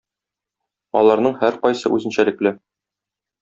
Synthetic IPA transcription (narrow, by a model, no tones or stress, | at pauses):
ɒ̰lˠɑɾnɤɴhæɾqɒjsɤ̰ʔʉzɘ̆nɕælɘ̆klɘ